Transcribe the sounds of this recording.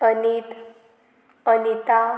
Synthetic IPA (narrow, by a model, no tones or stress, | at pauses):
ənit̪ | ənit̪a